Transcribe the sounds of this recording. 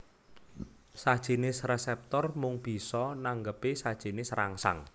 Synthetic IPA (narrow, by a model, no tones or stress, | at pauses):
sad̥ʒ̥i̤nɪsresɛp̚t̪ɔrmʊŋb̥i̤sɔnaŋɡəpesad̥ʒ̥i̤nɪsraŋsa̰ŋ